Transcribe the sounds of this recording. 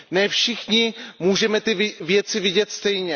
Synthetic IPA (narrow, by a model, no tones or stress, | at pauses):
nɛːfʃɪxɲɪmuːʒɛmɛt̪ɪvɪvjɛt͡sɪvɪɟɛt̪st̪ɛjɲɛ